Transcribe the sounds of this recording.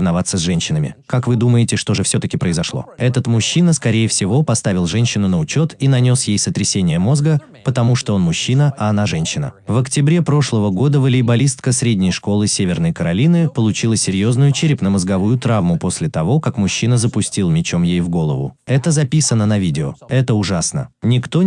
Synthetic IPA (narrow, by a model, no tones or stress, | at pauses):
vnɐvat̪sːəzʲʐɛnʲɕːɪnəmʲɪ̰kakvɨd̪uməjɪtʲɪʂt̪o̞ʐɨfsʲo̞t̪əkʲɪpɾəɪzɐʂlˠo̞̰ɛt̪ət̪mʊɕːinəskɐɾʲejɪfsʲɪvo̞pɐst̪avʲɪlˠʐɛnʲɕːɪnʊnəʊt͡ɕo̞t̪inɐnʲo̞sjejsət̪ɾʲɪsʲenʲɪjəmo̞zɡə | pət̪ɐmuʂt̪oonmʊɕːinəʔɐːnaʐɛnʲɕːɪnə̰vəktʲɪbɾʲepɾo̞ʂlˠəvəɡo̞d̪əvəlʲɪːbɐlʲist̪kəsɾʲedʲnʲɪjʂko̞lˠɨsʲevʲɪrnəjkəɾɐlʲinɨpəlˠʊt͡ɕilˠəsʲɪɾʲjo̞znʊjʊt͡ɕɪɾʲɪpnəməzɡɐvujʊt̪ɾavmʊpo̞sʲlʲɪt̪ɐvo̞kakmʊɕːinəzəpʊsʲtʲilˠmʲɪt͡ɕo̞mjejvɡo̞lˠə̰vʊ̰ɛt̪əzɐpʲisənənɐvʲidʲɪo̰ɛt̪əʊʐasnə̰nʲɪkt̪o